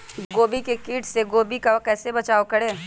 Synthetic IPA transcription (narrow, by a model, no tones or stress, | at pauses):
ɡoːbikekiːʈseɡoːbikakɛːsebɐt͡ʃaːokɐɽeː